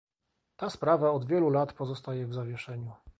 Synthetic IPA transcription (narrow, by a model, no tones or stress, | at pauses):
t̪aspɾavaɔd̪vʲjɛlulat̪pɔzɔst̪ajɛvzavʲjɛʂɛɲu